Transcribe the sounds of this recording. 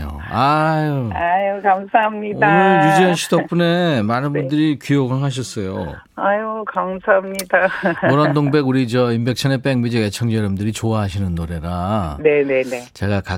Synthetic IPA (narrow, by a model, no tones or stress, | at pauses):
o̰ajoajokamsʰaɦamɲidoanɯɭjud͡ʑiʌnɕʰidʌp͈une̞manɯnbundɯɾikijoɡaŋɦaɕ̬ʰʌs͈ʌjo̰ | ajokamsaamɲidaoɾʌndoŋbe̞ɡuɾid͡ʑʌimbe̞k̚t͡ɕʰʌnep͈eŋmid͡ʑʌɡet͡ɕʰʌŋd͡ʑʌɾʌmdɯɾit͡ɕoaɦaɕʰinɯnːoɾe̞ɾanenenet͡ɕeɡaka